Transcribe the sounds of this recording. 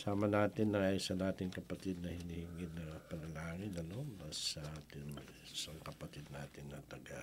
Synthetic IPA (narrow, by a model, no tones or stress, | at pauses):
saːmɐnaːt̪ɪnːɐŋɐjsɐnaːt̪ɪŋkɐpɐt̪id̪̚nɐhɪnihɪŋɪnɐpɐnɐlaːŋɪnɐno̞basːɐʔaːt̪ɪn | sɐŋkɐpɐt̪id̪̚naːt̪ɪnːɐt̪ɐɡa